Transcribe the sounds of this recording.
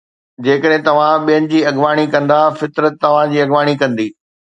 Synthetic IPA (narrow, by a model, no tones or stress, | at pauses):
d͡ʑeːkəɗɦɪ̃t̪ɐʋ̤ãɓijənɪ̆d͡ʑiːɐɡʋaːɽ̃ikɐ̃nd̪afɪt̪ɾət̪ːɐʋ̤ãd͡ʑiːɐɡʋaːɽ̃ikɐ̃nd̪iː